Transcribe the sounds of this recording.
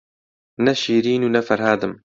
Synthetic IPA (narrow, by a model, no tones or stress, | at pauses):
nɛʃiːɾiːnuːnɛfɐɾɦaːd̪ɨm